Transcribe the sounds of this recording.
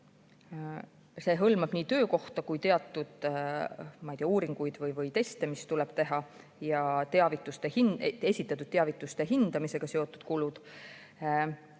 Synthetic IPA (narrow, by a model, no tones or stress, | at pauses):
se̞ɦɤlmɑb̥niːt̪ø̞ːko̞ht̪ɑkujt̪e̞ɑt̪ˑːud̪̥ | mɑjt̪iɑuːɾiŋɡ̥ujd̪̥vɤjvɤjt̪e̞st̪e̞mist̪uleb̥t̪e̞ɦɑ | jɑt̪eɑvit̪ːˑust̪ehine̞sʲit̪ːˑɑt̪ːˑud̪̥̚t̪ːeɑvit̪ːˑust̪e̞ɦind̪̥ɑmise̞ɡ̥ɑseo̞t̪ːˑud̪̥kulud̪̥